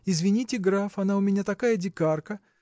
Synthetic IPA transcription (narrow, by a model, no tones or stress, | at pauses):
ɪzvʲɪnʲitʲɪɡɾafɐnaʊmʲɪnʲat̪ɐkajədʲɪkarkə